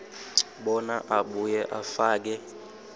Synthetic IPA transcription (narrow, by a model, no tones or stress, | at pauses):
ɓɔnaʔaɓujɛʔafaːk̬ɛ